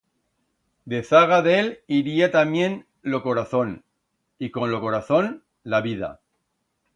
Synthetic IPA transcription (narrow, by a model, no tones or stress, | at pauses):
d̪e̞θaɣ̞aðeliɾiat̪amjẽ̞n | lo̞ko̞ɾaθo̞n | iko̞nlo̞ko̞ɾaθo̞n | laβiða̰